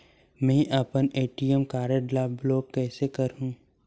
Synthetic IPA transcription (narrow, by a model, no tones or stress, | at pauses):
mɛ̃ːʔɐpəneːʈiɛmkaːɾeɖlaːbloːkːɛːsekɐɾɦũː